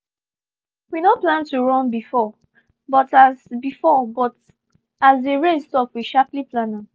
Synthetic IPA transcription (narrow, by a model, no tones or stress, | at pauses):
winoplãntuɹɔ̃nbifɔ | bɔtazbifɔbɔt | azdeɹẽnstɔpwiʃapliplãna